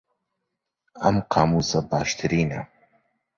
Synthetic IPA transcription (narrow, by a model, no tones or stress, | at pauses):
ʔɐmqʰɑːmuːsɐbaːʃt̪ʰɨɾiːnɐ̰